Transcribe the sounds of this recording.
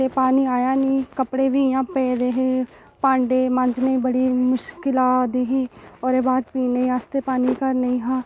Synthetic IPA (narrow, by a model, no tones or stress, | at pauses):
eːpaːniːaːjaːniːkəpɽeːʋiːɪjãːpɛːd̪eːɦeː | pãːɳɖeːmə̃ɲd͡ʒneĩːbəɽiːmʊʃkɪlaːd̪iːɦiːɔːɾeːbaːʈpiːneĩast̪eːpaːniːkəɾnəĩːɦãː